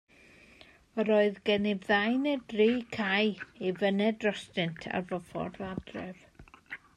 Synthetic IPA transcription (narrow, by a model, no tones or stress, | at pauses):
ɔɾoːɨðɡɛnɪvðajnɛdriːkʰajivənɛdrɔstɪntʰa̰rvɔfɔ̰radrɛv̥